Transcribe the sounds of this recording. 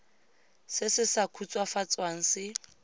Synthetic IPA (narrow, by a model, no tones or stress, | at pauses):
sɪsɪsakʰut͡sʼwafat͡sʼwaŋ̩sɪ